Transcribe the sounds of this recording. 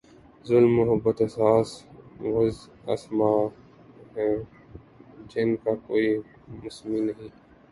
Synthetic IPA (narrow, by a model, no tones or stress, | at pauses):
zʊlmːʊɦəbːət̪ɐsaːswʊz | ɐ̰smaː | ɦɛ̃ː | d͡ʒɪnkakoːi | mʊsminɐɦĩː